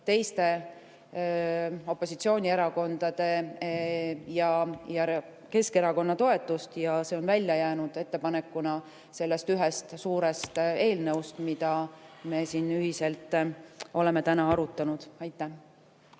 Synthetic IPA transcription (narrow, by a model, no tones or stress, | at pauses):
t̪e̞jst̪e̞ | o̞pːˑo̞sit̪sio̞ːnʲie̞ɾɑko̞nd̪̥ɑd̪̥e̞ | jɑjɑ | ke̞ske̞ɾɑko̞nːɑt̪o̞e̞t̪ːˑust̪jɑseo̞nvælʲjɑjæːnud̪̥e̞t̪ːe̞pɑne̞kːˑunɑ | se̞lːe̞st̪yɦest̪suːɾest̪e̞ːlneust̪mid̪̥ɑme̞ːsiːnyɦise̞lt̪ːˑo̞le̞me̞t̪ænɑɑɾut̪ːˑɑnud̪̥ɑjt̪ːˑæh